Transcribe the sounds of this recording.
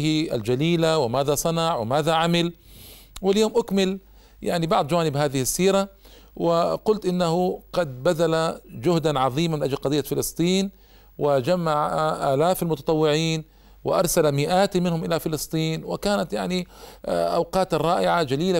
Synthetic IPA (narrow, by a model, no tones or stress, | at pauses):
hiʔa̰ld͡ʒaliːlawɪmaːðasˤɑnɑʕwɪmaːðaʕamɪl | wɪljoːmʔʊkmɪl | ja̰ʕnibɑʕd̪ˤd͡ʒawaːnɪbhaːðɪhɪsːiːɾa | wɪqʊlt̪ʔɪnːahʊqɑd̪̚baðalad͡ʒʊhd̪anʕɑðˤiːmamɪnʔad͡ʒlqɑd̪ˤijːafɪlɨsˤt̪ˤiːn | wɪd͡ʒamːaʕaʔaːlaːfalmʊt̪ɑ̥t̪ˤɑwːɪʕiːn | wɪ̰ʔɑ̰ɾˤsalamɪʔaːt̪mɪnhʊmʔɪlafɪlɨsˤt̪ˤiːnwɪ̰kaːnat̪jaʕniʔa̰wqɑːt̪rˤːɑːʔɪʕad͡ʒaliːla